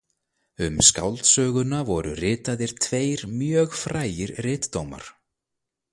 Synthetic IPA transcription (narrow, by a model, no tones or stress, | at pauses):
ʏmska̰wlt̪sœːɣʏnavɔɾʏ̰rɪːt̪aðɪɾ̥t̪ʰveːjɾmjœːɣfɾaːjɪɾrɪːt̪ːowma̰ɾ̥